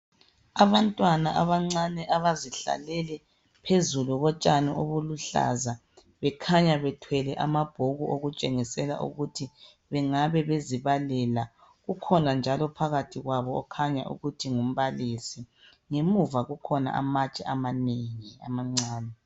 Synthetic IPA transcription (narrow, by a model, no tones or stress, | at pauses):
aβantʼwanaʔaβaŋ͡ǀanɛʔaβaziɬa̰lɛlɛ | pʰezuluɣɔt͡ʃʼanɛʔoβuluɬa̰za | βɛkʰaɲaβɛtʰwɛlɛʔamab̥ʱoɣuʔoɣut͡ʃʼeŋisɛla̰ʔṵɣutʰi | βɛŋaβɛβeziβalɛla | ɣukʰɔnand͡ʒʱalɔpʰaɣatʰiɣwaβɔːkʰaɲa̰ʔṵɣutʰiŋum̩βalisi | ŋemuvaɣukʰɔna̰ʔa̰mat͡ʃʼɛʔamaneŋia̰maŋ͡ǀaːnɛ